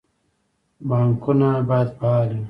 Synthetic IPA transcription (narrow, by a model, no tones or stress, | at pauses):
baŋkunabajad̪paali